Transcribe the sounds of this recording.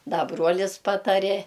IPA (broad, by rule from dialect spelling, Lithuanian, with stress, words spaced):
ˈdɐ ˈbruɔlʲɪs ˈpɑːtɐrʲeː